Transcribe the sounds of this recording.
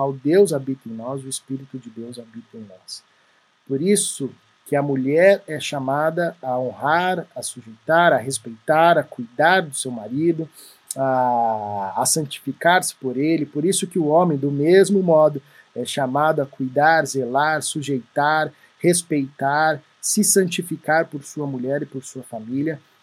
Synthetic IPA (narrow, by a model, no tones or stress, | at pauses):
awd̪ewzabit̪ɐẽj̃nɔzʊɪspiɾit̪ʊd͡ʒɪd̪ewzabit̪ɐẽj̃nɔs | poɾisʊ | kɪɐmuʎɛɾɛʃamad̪ɐɐõhaɾɐsuʒejt̪aɾɐɦespejt̪aɾɐkujd̪aɾd̪ʊsewmaɾid̪ʊ | aː | sɐ̃t͡ʃi̥fikaɾsɪ̥poɾelɪpoɾisʊkɪʊõmẽj̃d̪ʊmezmʊmɔd̪ʊ | ɛʃamad̪ʊɐkujd̪aɾzelaɾsuʒejt̪aɾ | hespejt̪aɾ | sɪsɐ̃t͡ʃifikaɾpoɾsuɐmuʎɛɾɪpoɾsuɐfamiljɐ